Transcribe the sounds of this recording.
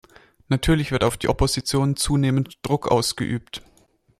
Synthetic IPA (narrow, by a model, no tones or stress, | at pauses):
natʰyːɐlɪçv̥ɪɐtaʊfd̥iːʔɔpozit͡sjoːnt͡suːneːməntd̥ʁʊkʰʔa̰ʊsɡ̥ə̰ʔyːpt